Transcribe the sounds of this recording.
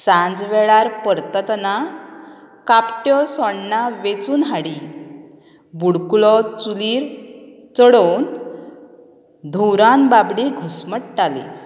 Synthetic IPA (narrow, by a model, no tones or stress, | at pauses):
sãnd͡zʋɛɭaɾpəɾt̪ət̪na | kapʈjɔsɔɳnaʋet͡suːnɦaɽi | buɽkulɔt͡suliːɾ | t͡səɽown | d̪ʱuɾanbabɽiɡʱusməʈʈalḛ